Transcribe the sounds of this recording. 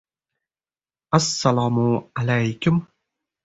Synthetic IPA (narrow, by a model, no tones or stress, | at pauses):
ʔasːalaːmʊʕalajkʊm